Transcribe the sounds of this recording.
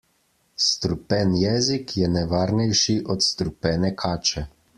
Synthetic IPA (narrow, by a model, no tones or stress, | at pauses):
st̪ɾupɛnjɛːzikʰjɛnɛʋaːɾnɛjʃiʔɔt̪st̪ɾupɛːnɛkʰaːt͡ʃɛ